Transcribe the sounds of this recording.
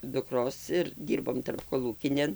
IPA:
dʊkˈroːs ɪr ˈdʲiːrboːm tɐrpkoːˈlˠuːkʲɪnʲeːn

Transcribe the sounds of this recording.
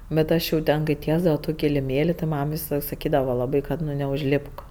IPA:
bʲɛt ˈɐʃ jɛʊ ˈtʲɛn kɐɪ ˈtʲiɛzdɐʋɐ jɛʊ ˈtuː kʲɪlʲɪˈmʲeːlʲɪ tʲɪ ˈmɐm ʋʲɪsɐˈlˠɐɪk sɐˈkʲiːdɐʋɐ lˠɐˈbɐɪ ˈkɐt ˈnʊ nʲɛʊʒʲˈlʲɪpk

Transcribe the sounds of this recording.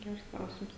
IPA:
ˈɡʲɛrs ˈklˠɐʊsʲɪms

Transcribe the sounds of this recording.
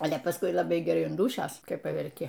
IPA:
ˈɑːlʲɛ pɐˈskʊɪ lˠɐˈbɐɪ ɡʲɛˈrɐɪ ɐn ˈduːʃʲoːs kɐɪ pɐʋʲɛrʲˈkʲɪ

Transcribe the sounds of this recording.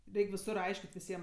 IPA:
ˈrʲɛɪkʲ ʋʲɪˈsʊr ˈɐɪʃʲkʲɪtʲ ʋʲɪˈsʲiɛm

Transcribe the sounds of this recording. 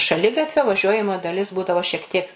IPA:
ʃɐˈlʲɪɡɐtʲʋʲoː ʋɐˈʒʲuɔjɛmoːjɪ dɐˈlʲɪs ˈbuːdɐʋoː ʃʲiɛk ˈtʲiɛk

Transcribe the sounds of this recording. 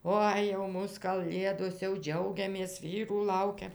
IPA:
ˈoːɪ jɛʊ ˈmuːs kɐˈlʲeːdoːs jɛʊ ˈd͡ʒʲɛʊɡʲɛmʲeːs ˈʋʲiːruː ˈlˠɐʊkʲɛm

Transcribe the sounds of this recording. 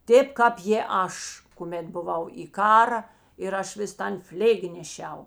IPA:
ˈtʲeːp ˈkɑːp jeː ˈɐʃ kʊˈmʲeːt bʊˈʋɐʊ iː ˈkɑːrɐ ɪr ˈɐʃ ʋʲɪs ˈtɐn ˈfʲlʲeːɡʲɪ nʲɛˈʃʲɛʊ

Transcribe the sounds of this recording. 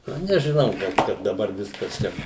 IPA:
nʊ nʲɛʒʲɪˈnɐʊ ɡɐlˠ ˈkɐt dɐˈbɐr ˈʋʲɪskɐs ˈt͡ʃʲɛ

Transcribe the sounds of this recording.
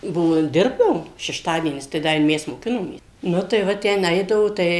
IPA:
ˈbʊʋoː ˈdʲɪrbdɐʋoːm ʃʲɛʃˈtɑːdʲiɛnʲɪs tɐɪ ˈdɐ ɪ ˈmʲɛs moːˈkʲɪnoːmʲeːs ˈnʊ tɐɪ ˈʋɐ ˈtʲæːnˈɐɪdɐʋoː tɐɪ

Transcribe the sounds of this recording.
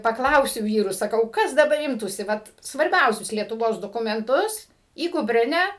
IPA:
pɐˈklˠɐʊsʲʊ ˈʋʲiːrʊs sɐˈkɐʊ ˈkɐs dɐˈbɐr ˈɪmtuːsʲɪ ˈʋɐt sʋɐrʲˈbʲɛʊsʲʊs lʲiɛtʊˈʋoːs doːkʊmʲɛnˈtʊs iː kʊpʲˈrʲɪnʲæː

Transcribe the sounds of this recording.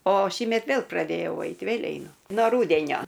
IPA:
oː ˈʃʲiːmʲɛt ˈʋʲeːlˠ prɐˈdʲeːjɛʊ ˈɐɪt ʋʲeːlʲ ɛɪˈnʊ ˈnoː ˈruːdʲɛnʲoː

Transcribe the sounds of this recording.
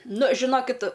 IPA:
ˈnʊ ʒʲɪˈnoːkʲɪt

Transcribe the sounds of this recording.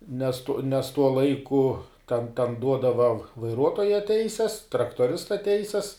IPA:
nʲɛs tʊ nʲɛs ˈtuɔ ˈlˠɐɪkʊ tʲɛn tʲɛn ˈduɔdɐʋɐ ʋɐɪˈruɔtoːjɛ ˈtʲɛɪsʲɛs trɐktoːˈrʲɪstɐ ˈtʲɛɪsʲɛs

